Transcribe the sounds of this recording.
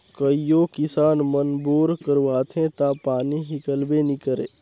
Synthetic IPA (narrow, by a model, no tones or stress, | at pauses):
kəijoːkɪsaːnmənboːɾkəɾʋaːt̪ʰɦẽt̪aːpaːniɦɪkəlbenikəɾḛː